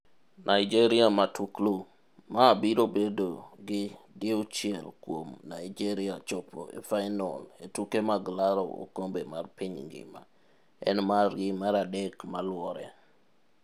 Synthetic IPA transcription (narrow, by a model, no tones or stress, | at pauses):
nʔaɪd͡ʒeɾiamatʰuklo | maːbiɾobedoɡɪdɪʊt͡ʃɛlkwomnaid͡ʒeɾiat͡ʃopʰo̰ḛfajnɔ̰letukemaɡlaɾo̰o̰kombemarpɪɲŋɡɪ̰ma | ɛ̰nmarɡɪmaɾadɛkmalwɔɾɛ̰